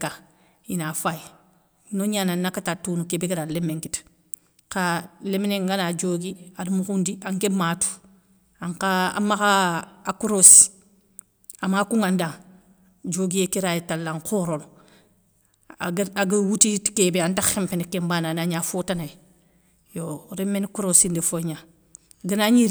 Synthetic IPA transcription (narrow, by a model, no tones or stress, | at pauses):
ka | inafaji | noɲaːnanːakːatatunukebiɡeɾalemːeŋkit | kalemneŋɡanad͡ʒoːɡiadumukundiaŋkematu̥ | aŋkaa̰makaakuɾos | amakuŋandaŋ | d͡ʒoːɡijekiɾajetalːaŋkoɾolo | ɡaɡawutiti̥kebeantaempenekembananaɲaːfotanaj | joɾemːenkuɾosindefoɲa | ɡənaɲiɾ